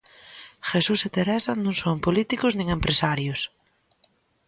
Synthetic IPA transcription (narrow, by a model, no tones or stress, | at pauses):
xesuset̪eɾɛsɐnõŋsompolit̪ikʊznĩŋempɾʔesaɾjʊs